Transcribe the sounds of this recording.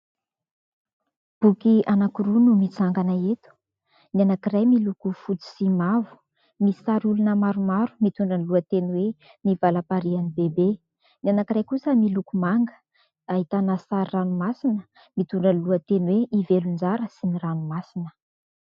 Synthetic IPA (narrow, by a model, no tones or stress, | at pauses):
b̥ukianakuɾunumit͡saŋɡanaet̪u̥ | nanakirajmilukufut͡si̥simavu̥ | misaɾulunəmaɾumaɾumit̪uɳɖ͡ʐənluət̪enwe | nivalapaɾianibebe | nianakirajkusəmilukumaŋɡə̥ | aɦit̪anəsaɾiranumasinə | mit̪uɳɖ͡ʐənluət̪enweivelund͡zaɾəsiniranumasinə̥